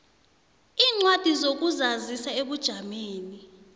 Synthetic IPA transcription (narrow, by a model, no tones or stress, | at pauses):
iːŋ͡ǀwad̥ʱizok̬uzazisaeɓud̥ʒ̥ʱameːni